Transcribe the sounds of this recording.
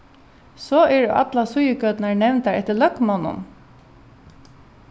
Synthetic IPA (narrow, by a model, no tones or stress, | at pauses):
sɔːɛɹ̰ʔɑ̰t̪lasʊjəkøːt̪naɹnɛʋnt̪aɹɛt̪ːəɭœkmɔnʊ̰n